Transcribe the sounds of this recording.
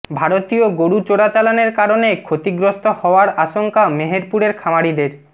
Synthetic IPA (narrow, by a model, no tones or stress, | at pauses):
bʱaɾot̪ioɡoɽut͡ɕoɽat͡ɕalaneɾkaɾonekʰot̪iɡɾost̪ohɔoaɾaʃoŋkameɦeɾpuɾeɾkʰamaɽid̪eɾ